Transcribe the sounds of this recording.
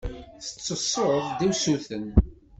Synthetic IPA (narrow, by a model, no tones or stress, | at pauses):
θə̥t͡sːəsˤoɾðˤd̪iwsuθən